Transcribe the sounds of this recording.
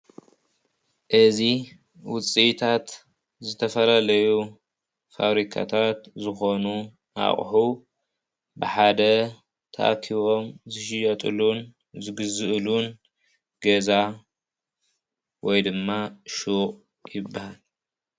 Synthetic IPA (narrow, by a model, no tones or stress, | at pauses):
ʔɨzi | wʊt͡sʼit̪ʰat̪ | zɨt̪ʰɐfɐlalɐju | fa̰βɾikʰa̰t̪ʰat̪zɨxo̞nu | a̰χʼħu | bɨħad̪ɐ | t̪ʰa̰ʔkʰiβo̞mzɨʃɪjɐt̪ʼɨlun | zɨɡɨzɨʔlun | ɡ̥ɐza | wɔjd̪ɨmːaʃuqʼ | jɪbːahal